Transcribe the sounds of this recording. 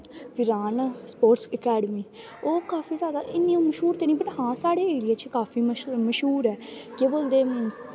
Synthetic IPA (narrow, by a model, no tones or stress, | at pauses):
ʋɪɾaːnaspoːʈsəkɛːɖmiː | oːkaːfiːzjaːd̪aːʔɪnːĩõːməʃɦuːɾt̪eːnĩːbəʈɦãːsaːɽeːeːɽiaːt͡ʃːkaːfʰiːməʃɦuːɾɛːkeːboːld̪eː